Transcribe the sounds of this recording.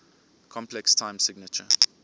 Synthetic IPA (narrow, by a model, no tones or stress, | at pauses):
kʰɔ̃mpʰlɛkstʰãɪ̃msɪɡnət͡ʃə